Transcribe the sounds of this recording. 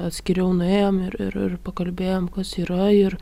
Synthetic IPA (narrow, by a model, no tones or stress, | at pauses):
ɐt̪ʲsʲkʲɪɾʲɛʊnʊeːjomɪɾɪ̰ɾɪ̰rpɐkɐlʲbʲeːjoːmkɐsiːɾɐɪr